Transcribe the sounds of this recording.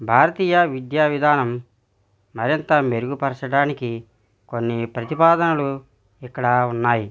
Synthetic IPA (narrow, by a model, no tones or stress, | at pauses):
bʱaːɾɐt̪iːjɐʋid̪jaːʋid̪ʱaːnɐmː | ɐɾint̪ɐme̞ɾuɡupɐɾɐsɐɽaːniki | konːipɾɐt̪ipaːd̪ɐnɐlu | ikːɐɽɐunːaːji